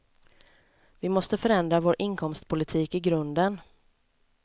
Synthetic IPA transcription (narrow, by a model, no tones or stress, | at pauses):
vɪmɔst̪əfœɾɛnd̪ɾavoːɾʔɪŋkʰɔmst̪pʰʊlɪt̪ʰiːkɪɡɾɵnd̪ən